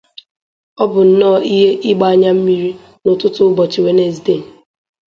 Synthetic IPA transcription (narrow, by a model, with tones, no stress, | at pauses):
ɔ˦bʊ˨n̩˨nɔː˦˨i˦ɦe˦ʔɪ˦ɡ͡ba˦a˦ɲa˦m̩˦mi˦ɾi˦ | nʊ˨tʊ˦tʊ˦bɔ˨t͡ʃɪ˨we˨˦ne˨zde˦˨